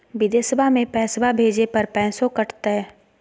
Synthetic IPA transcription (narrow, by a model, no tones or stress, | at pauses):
ʋɪd̪eːsəbʱamẽpɛ̃ːsbʱabʱeːd͡ʒepɐɾpɛ̃ːsõkɐʈʰt̪aɦɛ